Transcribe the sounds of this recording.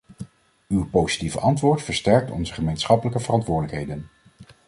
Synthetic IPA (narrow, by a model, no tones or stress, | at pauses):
ywpowzi̥tivəʔɑntʋʊːɹtfəɹstɛɹk̚tɔ̰nzəχəmejnsχɑpələkəvərɑntʋʊːɹdələkɦejdən